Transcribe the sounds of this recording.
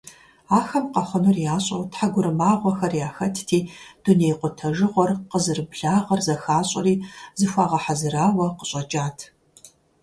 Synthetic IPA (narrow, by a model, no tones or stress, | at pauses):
aːxɐmqɐχʷʊnurjaːɕʼɐwtħaɡʷʊɾɨmaːʁʷɔxɐrjaːxɐtʰtʰiːd̥unejqʷʊtʰɐʒɨʁʷɔrqəzɨrɨbɮaːʁɐrzɐxaːɕʼɐriːzɨxʷaːʁɐħazɨɾaːwɐqəɕʼɐd͡ʒʼaːtʰ